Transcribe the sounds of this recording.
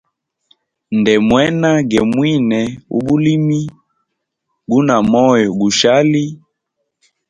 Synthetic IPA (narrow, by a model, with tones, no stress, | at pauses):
ndɛ˨mwɛ˦na˦ɡɛ˨mwi˦nɛ˨ṵ˦ɓu˦li˦mi˦ | ɡu˦na˨mɔ˦jɔ˨ɡu˨ʃa˦li˦